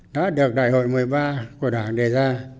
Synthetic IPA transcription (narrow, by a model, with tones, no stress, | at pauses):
ɗa̰ː˧˥ɗɨ˨˩ək̚ɗa̰ː˧˨jho̰˧˨jmɨ˨˩əjɓaː˧ku˧˩əɗaː˧˩ŋɗe˨˩zaː˧